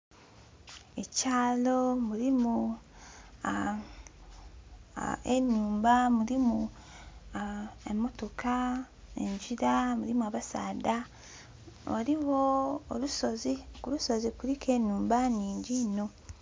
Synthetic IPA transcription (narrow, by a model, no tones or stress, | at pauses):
e̞caːlo̞muɾimu | a | enːuːmbamuɾimu | ḛmːo̞to̞kʰa | ḛɲɟiɾamuɾimuaβasa̰ːda | waɾiwo̞ːlusozikuluso̞zikuɾike̞nuːmbaɲiːɲɟino̞